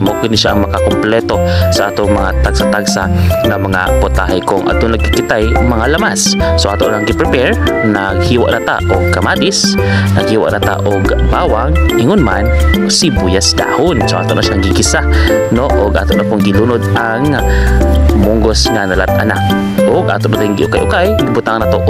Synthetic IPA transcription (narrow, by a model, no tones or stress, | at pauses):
mokɪnɪʃaʔɐŋmɐkakʊmplɛt̪osɐʔaːt̪oŋmɐŋat̪aɡ̥sat̪aɡsa̰ŋamɐŋa̰pʊt̪ahajkʊŋʔɐ̰t̪onːɐɡ̚kɪkɪt̪ajmɐŋalɐmassoʔa̰ːt̪oʔlaŋɡɪpɾɛpɛɹnaɡ̚hiːwa̰ʔnat̪a̰ʔoɡ̚kɐmaːt̪ɪs | nɐɡhiːwa̰ʔnat̪a̰ʔoɡbaːwaŋhɪŋʊnma̰nsibujasd̪a̰ːhʊnsoʔa̰ːt̪oʔnʔaʃaŋɡɪkɪsa | noʔoɡʔa̰ːt̪oʔnakoŋɡɪluːnod̪aŋ | mʊŋɡosŋanɐlat̪ɐna̰k | ʔoɡʔa̰ːt̪oʔnat̪ɪŋɡɪʔʊka̰jʔʊkajɡɪbʊt̪aŋanat̪oʔ